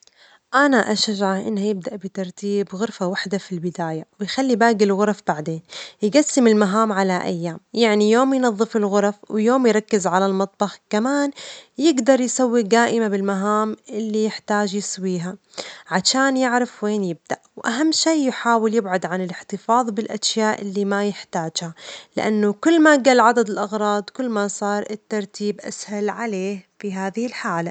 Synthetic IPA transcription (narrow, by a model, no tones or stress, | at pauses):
ʔanaʔaʃaʒʕaʔɪ̰nːhajɪb̚d̪aʔbɪt̪ɑɾˤt̪iːbɣʊɾfawaħd̪afilbɪd̪aːjawɪjxalːibaːɡɪlɣʊɾˤɑfbaʕd̪eːnjɪɡasːɪmɪlmaɦaːmʕalaʔa̰jːaːmjaʕnijoːmjnɑðˤːɨfɪlɣʊɾˤɑfwjoːmjɾˤɑkːɪzʕalalmɑt̪ˤbɑxkamaːnjɪɡd̪ɑɾˤjsawːid̪aːʔɪmabɪlmaɦaːmʔɪlːijɪħt̪aːd͡ʒjɪswiːɦa | ʕaʃaːnjɪʕɾafweːnjɪb̚d̪̥aʔwʔaɦamːʃiːjħaːwɪljɪbʕʊd̪ʕanɪlɪħt̪ɨfɑːðˤbɪlʔaʃjaːʔɪlːimajɪħt̪aːd͡ʒhalɪ̰ʔanːʊkʊlːmaɡaːlʕad̪ad̪ɪlʔɑɣɾˤɑːd̪ˤkʊlːmasˤɑːɾˤʔɪt̪ːɑɾˤt̪iːbʔa̰shalʕaleːhfiɦaːðɪhɪlħaːla